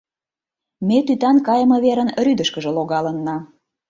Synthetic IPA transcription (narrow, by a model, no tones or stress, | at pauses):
met̪yt̪ɑnkɑjəmɤ̆βeɾənryd̪ə̆ʃkəʒə̆loɣɑlənːɑ